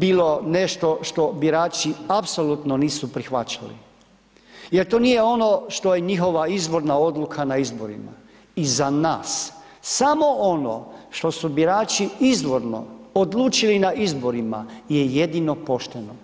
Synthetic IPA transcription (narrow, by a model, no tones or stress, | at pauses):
biːlo̞ne̞ʃt̪o̞ʃt̪o̞biɾaːt͡ʃiapsolut̪noniːsupɾixʋat͡ɕalḭ | je̞ɾt̪o̞ːnijeo̞no̞ʃt̪ojeɲixo̞ʋaizbo̞ɾnao̞d̪lukʰanaizbo̞ɾḭma̰ | izanaːs | samo̞ono̰ʃt̪o̞subiɾaːt͡ʃiizʋo̞ɾno̞̰od̪lˠuːt͡ʃilinaʔizbo̞ɾima̰je̞jed̪ino̞po̞ʃt̪e̞no